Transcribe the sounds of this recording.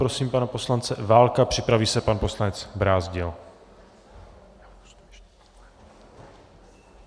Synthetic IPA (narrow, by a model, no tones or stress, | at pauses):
ɾosiːmpanapo̞slant͡sɛvaːlkapr̝̥ɪpɾaviːsɛpanpo̞slanɛt͡sbɾaːzɟɪl